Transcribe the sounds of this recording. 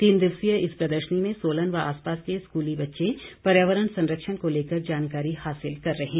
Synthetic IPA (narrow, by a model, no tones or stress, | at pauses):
t̪iːnd̪ɪwsijəɪspɾɐd̪əɾʃnimẽsoːlənʋaa̰ːspaːskeskuːlibɐtːʃepɐɾjaːʋəɾənsɐ̃nɾəkʃənkoleːkəɾd͡ʒaːnkaːɾihaːsɪlkɐɾːɐɦẽː